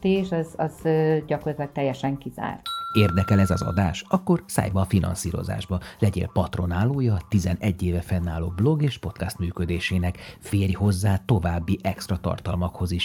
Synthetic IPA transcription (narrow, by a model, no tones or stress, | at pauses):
t̪eːʃɒzɒzøːɟɒkort̪lɒt̪ːɛjːɛʃɛŋkiza̰ːrt̪eːrd̪ɛkɛlɛzɒzɒ̰d̪aːʃɒkːo̞rsa̰ːjbɒːfinɒ̰nsḭːɾo̞̰za̰ːʒbɒlɛɟḛːlpɒt̪ro̞naːlːoːjɒt̪izɛnɛɟːeːvɛfɛnːaːloːblo̞ɡeːʃpo̞t̪kast̪myːkød̪eːʃeːnɛkfeːrjiho̞zːaːt̪o̞vaːbːiʔɛkst̪rɒt̪ɒ̰rt̪ɒlmɒkho̞ziʃ